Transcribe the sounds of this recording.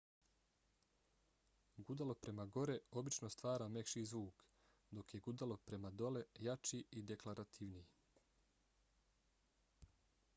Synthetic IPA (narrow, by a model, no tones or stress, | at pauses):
ɡud̪alo̞pɾe̞maɡo̞ɾe̞o̞bit͡ʃno̞st̪ʋaːɾame̞kʃiːzʋuːk | d̪o̞kje̞ɡud̪alo̞pɾe̞mad̪o̞le̞jat͡ʃiid̪e̞klaɾat̪ʰiʋnij